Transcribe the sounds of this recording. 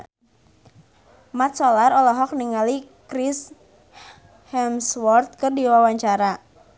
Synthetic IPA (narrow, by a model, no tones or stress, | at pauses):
mat̪̚sɔlarɔlɔɦɔk̚niŋali | kɾis | hɛmswɔrt̪̚kɨrdiwawaɲt͡ʃaɾa